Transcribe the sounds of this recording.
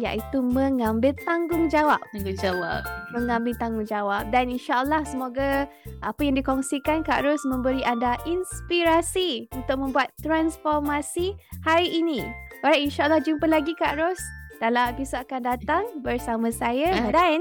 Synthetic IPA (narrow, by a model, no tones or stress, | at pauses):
ja̰ʔit̪umə̃ŋãmbɪlt̪aŋɡʊŋd͡ʒawap̚d͡ʒawapmə̃ŋãmbɪlt̪aŋɡʊŋd͡ʒawap̚daninʃaʔəlːahsəmoɡa | ʔapəjãŋdikɔŋsikankaʔɾɔsmə̃mbəɾiʔandaʔinspiɾasiunt̪ʊk̚mə̃mbuat̪ːɾansfɔrmasihaɾiʔinĩoɾainʃaʔəlːahd͡ʒumpəlaɡikaʔɾosd̥alapisaakandat̪aŋbərsamãsajadan